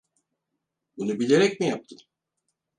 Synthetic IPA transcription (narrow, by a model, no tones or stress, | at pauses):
bunubilʲeɾɛcmijap̚t̪ʰɯ